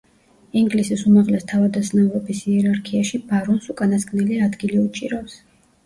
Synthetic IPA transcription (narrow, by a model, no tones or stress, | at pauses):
iŋɡlisisumaʁlɛst̪ʰavad̪aznauɾɔbisiɛɾaɾkʰiaʃibaɾɔnsukʼanaskʼnɛliad̪ɡiliut͡ʃʼiɾaps